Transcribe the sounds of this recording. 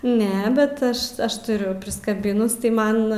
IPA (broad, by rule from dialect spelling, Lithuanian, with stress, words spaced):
ˈnʲɛ ˈbʲɛt ˈɐʃ ˈɐʃ tʊˈrʲʊ pʲrʲɪskɐˈbʲɪnʊs tɐɪ ˈmɐn